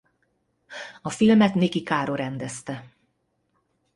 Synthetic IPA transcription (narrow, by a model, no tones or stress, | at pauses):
ɒfilmɛt̪neːkikaːɾoɾɛnd̪ɛst̪ɛ